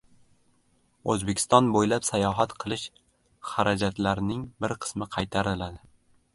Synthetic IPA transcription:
ozbekʲʰst̪ɒnbojlapsajɒɦat̪qʰɨlˠɪʃ | χaɾʔad͡ʒat̪laɾnɪŋbɪɾqʰɨ̥smɪqʰɑjt̪ʰaɾɪlad̪ɪ

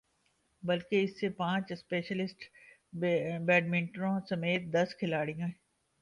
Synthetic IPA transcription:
bɐlkeɪsːepãːt͡ʃspeːʃəlɪsʈ | bɛːɖmɪ̃ɳʈɾõsɐmeːt̪̚d̪ɐskʰɪlaːɽijãːɦɛ

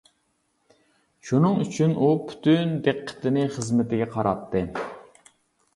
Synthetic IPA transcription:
ʃunɨŋyt͡ʃʰynupʰy̥t̪ʰynd̪eqʰːə̥t̪ʰɪnɪχəzmɪt̪ɪɡʲɛqʰɑɾɑ̰t̪ʰːɨ

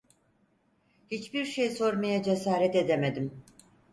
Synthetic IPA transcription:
hit͡ʃbiɾʃejso̞ɾmajad͡ʒe̞saːɾɛt̪e̞d̪emed̪im

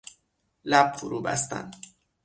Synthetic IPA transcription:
læb̥̚fuɾuːbæ̰st̪æ̰nd̪

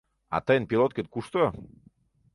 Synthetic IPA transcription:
a̰t̪əjənpilot̪̚ket̪kuʃt̪o

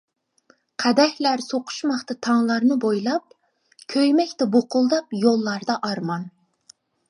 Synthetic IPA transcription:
qʰæd̪ɛhʲlæɾsoqʰʊ̥ʃmɑχt̪ɑt̪ʰɑŋlˠɑɾnɨbojlˠɑp̚ | kʲʰøjmɛkʲt̪ɛboqʰʊlˠd̪ɑpjolˠːɑɾd̪ɑʔɑɾmɑn

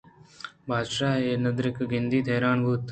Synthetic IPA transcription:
bʱaːd̪ʃaːeːnɐd̪ɾɪkɡɪnd̪iːt̪ʰeːɾaːɳbʱuːt̪

